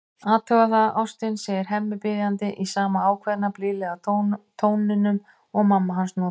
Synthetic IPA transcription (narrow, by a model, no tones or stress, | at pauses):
aːt̪ʰœɣaθaðawst̪ɪnsɛːjɪɾ̥ɦɛmːʏpɪðjant̪ɪʔisaːmaaːwkʰvɛðnaplɪːlɛɣat̪ʰoːwnɪnːʏm | ɔɣmamːaɦansnɔː